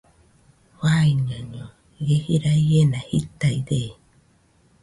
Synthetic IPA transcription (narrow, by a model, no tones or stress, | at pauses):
waiɲãɲõ | jehiɾaijenahit̪aiɾe